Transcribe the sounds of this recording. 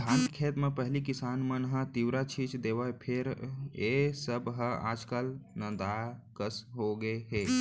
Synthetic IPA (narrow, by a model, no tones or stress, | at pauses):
ãːnt̪kʰeːt̪mẽpəɦlikɪsaːnmənɦãt̪iwɾat͡ʃʰit͡ʃd̪eːʋaepʰeɾesəbɦəa̰ːd͡ʒkəlnəd̪aːkəsɦoɡeɦeː